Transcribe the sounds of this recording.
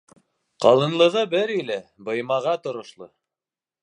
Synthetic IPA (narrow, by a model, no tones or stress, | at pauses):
qɑlˠɤ̆nlˠɤ̆ʁɤbɘɾilæbɤ̆jmɑʁɑt̪ŏɾŏʃlˠɤ